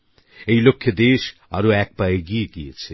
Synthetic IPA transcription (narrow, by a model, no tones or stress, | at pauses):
ejlokʰːjed̪eʃa̰ɾoɛk̚paeɡieɡiḛt͡sʰi